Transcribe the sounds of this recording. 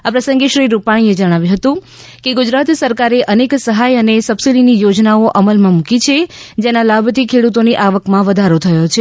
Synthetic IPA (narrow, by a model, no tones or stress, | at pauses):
apɾəsə̃ŋɡeʃɾiɾupaɽ̃ied͡ʒəɽ̃aʋjũɦət̪ũ | keɡud͡ʒɾat̪səɾkaɾeʔəneksəɦajənesəbsiɖinijod͡ʒnaoʔəməlmãmũkit͡ʃʰed͡ʒenalabʱt̪ʰikʰeɽut̪oniʔaʋəkmãʋəd̪ʱaɾot̪ʰəjot͡ʃʰe